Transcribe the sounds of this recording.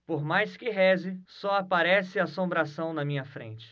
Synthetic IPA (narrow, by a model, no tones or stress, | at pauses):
poɾmajskɪɦɛzɪsɔapaɾɛsɪaːsõmbɾasɐ̃w̃nɐmĩɲɐfɾḛ̃t͡ʃɪ̥